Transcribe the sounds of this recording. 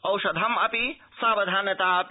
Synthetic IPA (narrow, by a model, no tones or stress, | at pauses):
ɐwʃɐd̪ʱɐmɐpi | saːbɐd̪ʱaːnɐt̪aːɐp